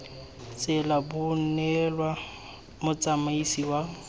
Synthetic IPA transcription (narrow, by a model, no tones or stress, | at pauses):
t͡sʼɪlabʊnɛlwa | mʊt͡sʼamaisiwa